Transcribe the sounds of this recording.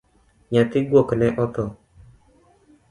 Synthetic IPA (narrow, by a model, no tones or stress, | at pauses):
ɲat̪ɪɡwoknɛʔɔt̪ɔ